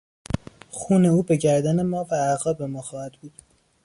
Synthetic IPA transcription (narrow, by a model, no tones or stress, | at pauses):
xuːne̞uːbe̞ɟæɾd̪ænemɒːvæːɣɒːbe̞mɒːxɒːhæd̪buːd̪̥